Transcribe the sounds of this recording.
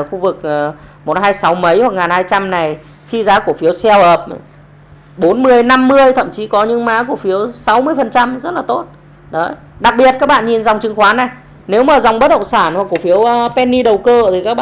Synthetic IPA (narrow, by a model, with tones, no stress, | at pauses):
xu˧vɨ˨˩k̚ʔə˨˩mo˨˩t̚haː˧jsa˨˦wmə˨˦jhwa˨˩k̚ŋaː˨˩nhaː˧jt͡ɕa˧mna˨˩j | xi˧zaː˨˦ku˧˩əfi˨˦əwsɛ˧whəː˨˩p̚ | ɓo˨˦nmɨ˧˩əjna˧mːɨ˧əjt̪ʰə̰˧˨mt͡ɕi˨˦kɔ˨˦ɲɨ˧˥ŋmaː˨˦˥ku˧˩əfi˨˦əwsa˨˦wmɨ˧əjfə˨˩nt͡ɕa˧mzə˦˥t̚laː˨˩t̪o˦˥t̚ | ɗə˨˦j | ɗa˨˩k̚ɓi˨˩ət̚kaː˦˥k̚ɓa̰ː˧˨ɲi˨˩nza˨˩wŋ͡mt͡ɕɨ˨˦ŋxwaː˨˦na˨˩j | ne˨˦wmaː˨˩za˨˩wŋ͡mɓə˦˥t̚ɗə̰˧˨ŋ͡msaː˧˩nhwa˨˩kːu˧˩əfi˨˦əwpɛ˧nːi˧ɗə˨˩wkəː˧t̪ʰi˨˩kaː˦˥k̚ɓa̰˧˨